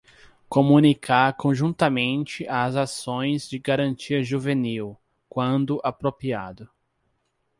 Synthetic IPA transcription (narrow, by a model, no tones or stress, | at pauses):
komũnikʰaɾkõʒũnt̪ɐmẽnt͡ʃɪʔazasõj̃zd͡ʒɪɡaɾɐ̃nt͡ʃiɐʒuveniw | kwɐ̃nd̪ʊʔapɾopia̰d̪ʊ